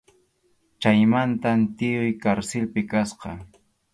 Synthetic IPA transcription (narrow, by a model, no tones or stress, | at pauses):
t͡ʃajmant̪ant̪ɪʊjkaɾsɪlpɪkasqɑ̰